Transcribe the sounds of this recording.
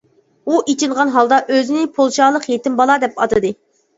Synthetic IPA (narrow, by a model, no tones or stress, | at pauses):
uʔit͡ʃʰinʁɑnɦɑlˠd̪ɑʔøzɪnɪpʰolˠʃɑlˠəqjet̪ɪmbɑlˠɑd̪ɛpɑt̪ɨd̪ɨ